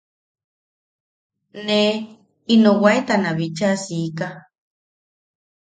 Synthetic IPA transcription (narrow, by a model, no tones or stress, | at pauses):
ne | inowaet̪anaβit͡ʃasika